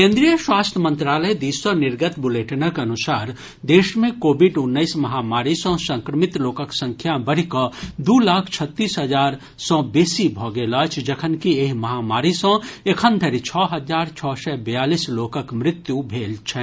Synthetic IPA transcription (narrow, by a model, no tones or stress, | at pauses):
kẽːnd̪ɾijəʃwaːst̪ʰjəmə̃nt̪ɾaːləjd̪iːswənɪɾɡət̪bʊleːʈnakeɐnʊsaːɾ | d̪eːʃmẽkoːbiɖʊnːəɪsmɐɦaːmaːɾisɔ̃sə̃ŋkɾəmɪt̪loːkəksə̃ŋkʰjabəɽ̤ikəd̪uːlaːkʰt͡ʃʰət̪ːiːsɦəd͡ʒaːɾ | sɔ̃beːsibʱɔːɡelət͡ʃʰd͡ʒɐkʰənkieːɦmɐɦaːmaːɾisɔ̃ekʰə̃nd̪ʱəɾit͡ʃʰɔːɦəd͡ʒaːɾt͡ʃʰɔːsɛbɐjaːliːsloːkəkmɾɪt̪jubʱeːlt͡ʃʰɛ